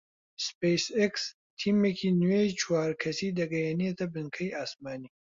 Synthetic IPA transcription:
spejseks | t̪ʰiːmekʰiːnwejt͡ʃʰwaːɾkʰɐsiːd̪ɐɡɐjeniet̪ʰɐbɨŋkʰɐjaːsmaːniː

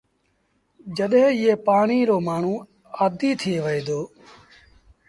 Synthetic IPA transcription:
d͡ʒəɗɦẽːɪeːpaːɳiːɾoːmaːɳ̤ũː | aːd̪iːt̪ʰɪeːʋəeːd̪oː

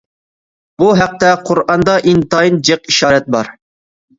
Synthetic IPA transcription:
b̥uɦæq̚t̪ɛqʰʊɾɑnd̪ɑʔint̪ɑind͡ʒeqiʃɑːɾɛt̪̚bɑɾ

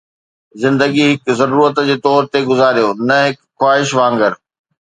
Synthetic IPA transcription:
zɪ̃nd̪əɡiɦɪkzɐɾuːɾət̪d͡ʑeːt̪ɔːɾt̪eɡʊzaːɾijonɐɦɪkxwaːɦɪʃʋãːŋɡəɾ

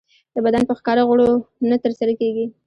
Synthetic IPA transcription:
d̪̥əbad̪anpəxkɑɾaɣʊɽonat̪əɾsaɾakeɡi

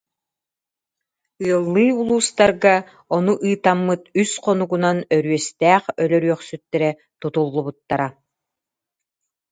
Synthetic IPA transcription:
ɯɐlˠːɯjulˠuːst̪aɾɡa | ɔnuʔɯːt̪amːɯt̪ysqɔnuɡunanœɾyœst̪ɛːχœlœɾyœχsyt̪ːɛɾɛ | t̪ut̪ulˠːubut̪ːaɾa

